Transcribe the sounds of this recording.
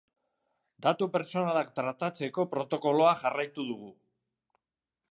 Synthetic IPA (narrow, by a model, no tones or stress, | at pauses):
d̪at̪upe̞ɾt͡so̞nalakt̪ɾat̪at͡se̞ko̞pɾo̞t̪o̞ko̞lo̞aʝarajt̪uðuɣ̞u